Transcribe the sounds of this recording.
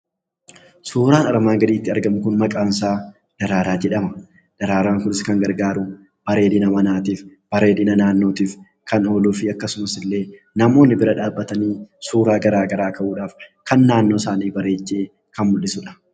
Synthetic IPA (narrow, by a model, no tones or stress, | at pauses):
suːɾaːnɐɾmaːŋɡɐd̪iːt̪ːɪɐɾɡɐmʊkʊnmɐkʼaːnsaː | d̪̥ɐɾaːɾaːd͡ʒɛᶑɐmɐ | d̪̥ɐɾaːɾaːŋkʊnɪskɐŋɡɐɾɡaːɾʊ | b̥ɐɾe̞ːdɪnɐmɐnaːt̪iːfb̥ɐɾe̞ːd̪ɪnɐnaːnːo̞ːt̪iːf | kɐno̞ːluːfɪɐkːɐsʊmɐsɪlːe̞ː | nɐmo̞ːnːɪbɪɾɐᶑaːbːɐt̪ɐniːsuːɾaːɡɐɾaːɡɐɾaːkɐʔuːᶑaːfkɐnːaːnːo̞ːsaːniːbɐɾe̞ːt͡ʃːe̞ː | kɐnmʊlːɪsʊᶑɐ̥